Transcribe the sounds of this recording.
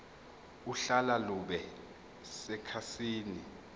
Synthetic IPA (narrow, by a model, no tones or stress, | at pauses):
uɬalaluɓɛ | sɛkʰasiːni